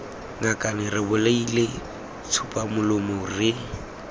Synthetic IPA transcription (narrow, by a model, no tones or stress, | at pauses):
ŋakʼanɪrɪbʊleile | t͡sʰupʼamʊlʊmʊrɪ